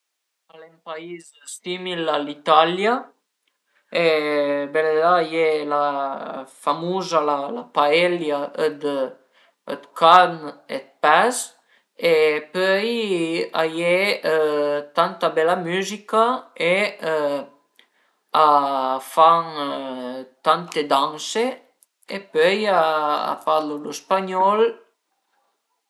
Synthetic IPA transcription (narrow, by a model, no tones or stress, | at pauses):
alɛmpaiz | st̪imilalit̪alja | ebɛled̪ajela | famuzalalapaɛljaəd̪ə | əd̪kʰanḛt̪̚paz | epœja̰je | t̪ãnt̪abɛlamyzikae | afaŋ | t̪ant̪ed̪ãŋse | epøjaa̰falolospaɲɔl